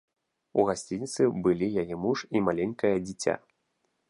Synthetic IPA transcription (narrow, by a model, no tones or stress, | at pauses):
uɣasʲt͡sʲinʲit̪sɨbɨlʲijajɛmuʂimalʲenʲkɐjɐd͡zʲit͡sʲa̰